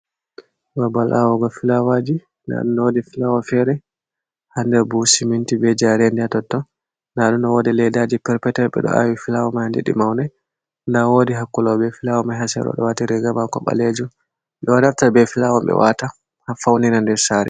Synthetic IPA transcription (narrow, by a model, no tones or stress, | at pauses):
wabalʔawɔɡɔfilawad͡ʒi | na̰ɗundɔwodifilawɔfɛɾɛ | handɛbusimintibɛd͡ʒaɾɛndɛatɔtːɔ | naɗundɔwɔdɛlɛdad͡ʒipɛɾpɛtɛlɓɛ̰ɗɔ̰ʔa̰wifilawɔmahandɛ̰ɗḭmawnaj | ndawodiɦakːulabɛfilawɔmaɦasɛ̰ɾɔ̰ɗɔ̰watiɾɛɡamakɔ̰ɓa̰led͡ʒu | ɓɛwanaftabɛfilawɔmbɛ̰wata | hafawninandɛɾsaɾɛ̰